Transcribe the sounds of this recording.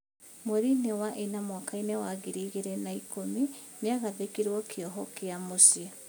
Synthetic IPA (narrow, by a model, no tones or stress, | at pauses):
mwoɾinewaʔenamwakainewaɣiɾiɣeɾɛnaikomi | neaɣaðekiɾwɔkʰeɔɦɔkeamosia